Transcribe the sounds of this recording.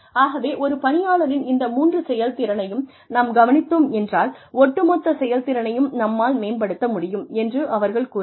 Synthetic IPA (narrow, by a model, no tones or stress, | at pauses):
aːɣɐʋeːʔɔɾɯpɐnɪjaːɭɐɾɪnɪnd̪ɐmuːndrɯsɛjɐlt̪ɪɾɐnɐjɯm | nɐmɡɐʋɐnɪt̪ːoːmɛndraːlɔʈːɯmɔt̪ːɐsɛjɐlt̪ɪɾɐnɐjɯmnɐmːaːlmeːnbɐɽɯt̪ːɐmʊɽɪjɯmɛndrɯʔɐʋɐɾɣɐɭkuː